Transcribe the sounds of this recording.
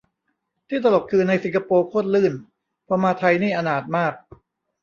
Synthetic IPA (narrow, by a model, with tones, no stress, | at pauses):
t̪ʰiː˥˩t̪a˧lo˨˩p̚kʰɯː˧na˧jsi˨˩˦ŋka˧poː˧kʰoː˥˩t̪̚lɯː˥˩n | pʰɔː˧maː˧t̪ʰa˧jniː˥˩ʔa˧naː˨˩t̪̚maː˥˩k̚